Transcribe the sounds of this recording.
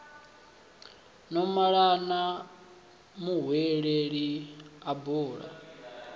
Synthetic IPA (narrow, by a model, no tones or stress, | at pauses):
nɔmaɺana | muɦwɛɺeɺiabuːɺa̰